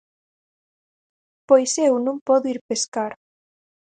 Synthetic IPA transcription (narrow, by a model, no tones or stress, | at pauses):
pojsewnũŋpɔðoiɾpeskaɾ